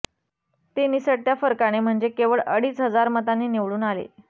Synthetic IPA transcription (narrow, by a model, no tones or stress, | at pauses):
t̪eniːsəɽt̪jafəɾkaɽ̃em̤əɳd͡zekeʋəɭə̰ɽiːsɦəd͡zaɾmət̪anːiːniʋɭuːnalḛ